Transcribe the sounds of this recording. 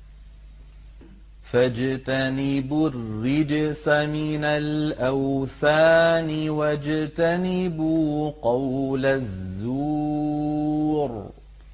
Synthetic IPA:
fad͡ʒt̪anɪbʊrːɪd͡ʒsamɪnalʔawθaːnɪwad͡ʒt̪anɪbuqɑwlazːu | ɾ

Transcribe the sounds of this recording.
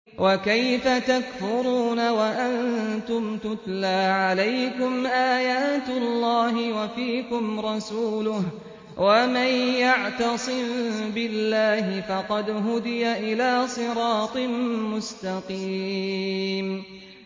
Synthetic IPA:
wʔakajfat̪akfʊɾuːnawaʔant̪ʊmt̪ʊt̪laːʕalajkʊmʔaːjaːt̪ʊlːɑːɦɪwafiːkʊmɾˤɑsuːlʊh | wamanjaʕt̪ɑsˤɨmbɪlːaːhɪfɑqɑd̪ɦʊd̪ɪjaʔɪlaːsˤɨɾɑːt̪ˤɨmmʊst̪ɑqiː | m

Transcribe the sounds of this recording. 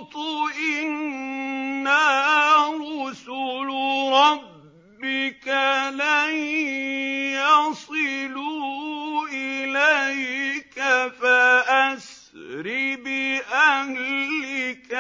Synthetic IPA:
t̪ˤʊʔɪnː | a | ɾˤɑsʊlɾˤɑbː | ɪkala | jɑsˤɨluːʔɪlajkafaʔas | ɾɪbɪʔahlɪk

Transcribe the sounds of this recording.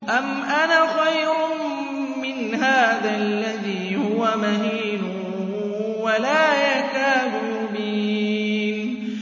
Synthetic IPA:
ʔamʔanaxajɾʊ | mɪnɦaːðalːaðiːhʊwamaɦiːnʊ | walaːjakaːd̪ʊ | ʊbi | n

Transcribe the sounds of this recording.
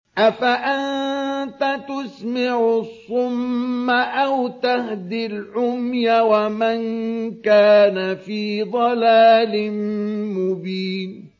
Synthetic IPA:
ʔafaʔannt̪at̪ʊsmɪʕsˤːʊmːaʔawt̪ahd̪ilʕʊmjawamankaːnafiːd̪ˤɑlaːlɪnmʊbiːn

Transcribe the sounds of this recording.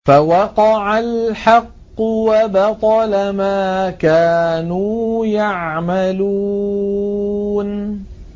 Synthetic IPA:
fawɑqɑʕalħɑqːʊwabɑt̪ˤɑlamaːkaːnuːjaʕmalu | n

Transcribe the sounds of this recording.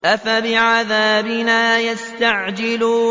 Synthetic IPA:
ʔafabɪʕaðaːbɪnaːjast̪aʕd͡ʒɪluː

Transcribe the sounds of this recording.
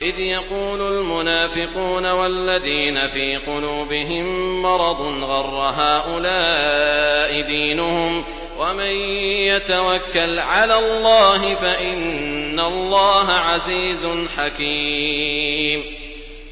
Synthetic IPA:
ʔɪðjɑquːlʊlmʊnaːfɪquːnawalːaðiːnafiːqʊluːbɪɦɪmːɑɾˤɑd̪ˤnɣɑrˤːɑɦaːʔʊlaː | ʔɪd̪iːnʊhʊm | wamanjat̪awakːalʕalaːlˤːɑːɦɪfaʔɪnːalˤːɑːɦaʕaziːzʊnħaki | m

